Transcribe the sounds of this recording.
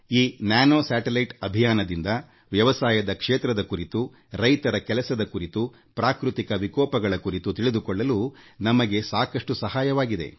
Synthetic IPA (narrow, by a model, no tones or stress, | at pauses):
iːnjaːnoːsaːʈelɐjʈɐbʱijaːnɐd̪ind̪ɐ | ʋjɐʋɐsaːjɐd̪ɐkʂeːt̪ɾɐd̪ɐkuɾit̪u | ɾɐjt̪ɐɾɐkɛlɐsɐd̪ɐkuɾit̪u | pɾaːkɾut̪ikɐʋikɔːpɐɡɐɭɐkuɾit̪ut̪iɭid̪ukɔɭːɐlunɐmɐɡe̞saːkɐʂʈusɐɦaːjɐʋaːɡid̪e̞̰